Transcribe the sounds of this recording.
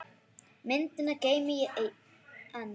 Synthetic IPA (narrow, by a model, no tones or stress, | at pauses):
mɪnt̪ɪnaceːjmɪjɛʔ | an